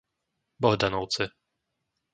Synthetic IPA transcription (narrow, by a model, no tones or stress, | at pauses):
bɔɣd̪anɔwt̪sɘ